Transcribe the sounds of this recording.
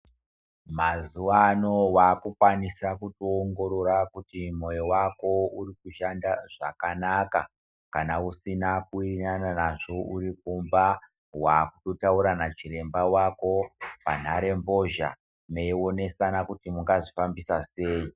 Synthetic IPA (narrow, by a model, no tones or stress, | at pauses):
mazuwano̞wakukwanisakutoːŋɡo̞ɾo̞ɾakutimo̞jowako̞urikuʃandaʐakanaka | kanausinakuinananaʐo̞uɾik̚umba | wakuto̞tauɾanat͡ʃiɾe̞mbawako̞pan̤aɾe̞mbo̞ʒa̰ | meio̞ne̞sanakutimuŋɡaʐifambisase̞ːi